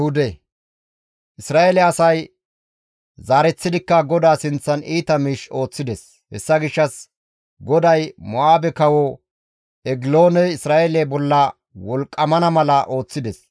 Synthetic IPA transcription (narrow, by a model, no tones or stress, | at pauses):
hʊd̪ɛ | ʔɪsɾaːelɛɐsɐj | zaːɾɛt͡sːɪd̪ɪkːɐɡɔd̪aːsɪnt͡sːɐniːt̪ɐmiːʃo̞ːt͡sːɪd̪ɛs | hɛ̰sːɐɡɪʃːɐs | ɡɔd̪ɐjmɔaːbɛkɐwɔ | ɛɡɪlo̞ːnɛɪsɾaːʔelɛbɔlːɐ | wɔlkʼːɐmɐnɐmɐlɐʔo̞ːt͡sːɪd̪ɛs